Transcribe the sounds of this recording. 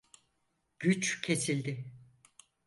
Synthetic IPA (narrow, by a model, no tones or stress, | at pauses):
ɟ̥yt͡ʃcʰe̞silʲd̪ɪ